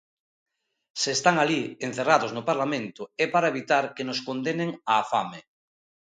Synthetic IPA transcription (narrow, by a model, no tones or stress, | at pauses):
seːst̪aŋalien̟θeraðoznʊpaɾlamẽnt̪ʊɛpaɾaeβit̪aɾkenʊskond̪eneŋaːfame